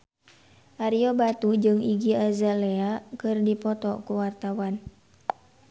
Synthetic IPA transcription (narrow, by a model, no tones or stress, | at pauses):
ʔaɾiɔbat̪ud͡ʒɨŋiɡiazalɛakɨrdipɔt̪ɔkuwart̪awan